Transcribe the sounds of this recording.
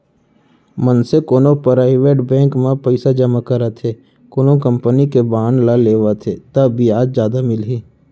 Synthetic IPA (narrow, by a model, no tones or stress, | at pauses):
mənsekoːnopəɾaiʋeːʈbɛ̃ːŋkmẽpəɪsad͡ʒəmakəɾat̪ʰeː | koːnokə̃mpənikebaːnlaleːʋat̪ʰet̪əbʱiaːd͡ʒzjaːd̪amɪlɦiː